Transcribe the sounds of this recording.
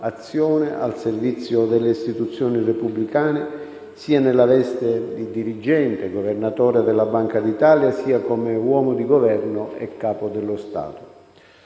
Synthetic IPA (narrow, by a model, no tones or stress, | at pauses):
at̪sːjɔːnɪʔa̰lservit̪sːjʊd̪ɛlːeist̪it̪ut̪sːjɔːnirepublikaːnɪ | siːanɛlːalɛst̪ed̪id̪iɾid͡ʒɛnt̪eɡovernat̪ɔːɾed̪ɛlːabaŋkad̪it̪aːljasiːakɔmewɔːmʊd̪iɡovɛrnʊɛ̰kːaːpʊd̪ɛlːʊst̪a̰ːt̪ʊ̥